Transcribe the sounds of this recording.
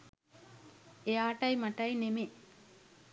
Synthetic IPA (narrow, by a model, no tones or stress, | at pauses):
ejaːʈɐjmaʈɐjneme